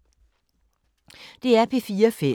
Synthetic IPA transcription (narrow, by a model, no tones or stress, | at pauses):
d̥e̝æɐpʰefiːɐfe